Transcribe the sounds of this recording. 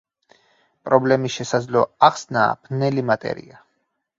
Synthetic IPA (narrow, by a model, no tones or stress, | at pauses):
pʼɾɔblɛmiʃɛsad̪zlɔaχsna̰ːb̥ʰnɛlimat̪ʼɛ̰ɾḭa